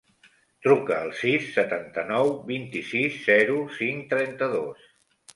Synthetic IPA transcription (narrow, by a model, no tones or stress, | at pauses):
t̪ɾukəːlˠsisːət̪ant̪ənɔwbint̪isisːɛɾusiŋt̪ɾɛnt̪əðos